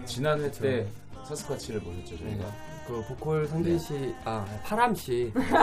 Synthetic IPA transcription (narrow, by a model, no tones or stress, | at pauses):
t͡ɕinanet͡ɕ͈ʰe̞ | sʰasʰɯ̥kʰat͡ɕʰiɾɯɭmoɕʰet̚t͡ɕ͈ot͡ɕʌnŋɡa | kɯkokʰoɭsʰʌŋdeɕʰiapʰaɾamɕʰi